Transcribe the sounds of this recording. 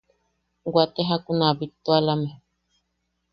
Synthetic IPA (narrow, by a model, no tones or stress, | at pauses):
ɡat̪eɦakunabit̪ualame